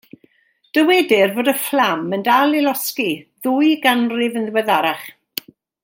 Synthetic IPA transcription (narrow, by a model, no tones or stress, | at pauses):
d̥əwɛdɪrvoːdəflaməndalɪlɔskiðuːjɡanrɪvənðwɛðaɾaχ